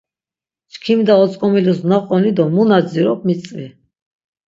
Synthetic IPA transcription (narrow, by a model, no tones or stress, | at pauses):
t͡ʃkʰimd̪aɔt͡s̪ʼkʼɔmilusnaqʼɔnid̪ɔmunad̪ziɾɔp̚mit͡sʼvi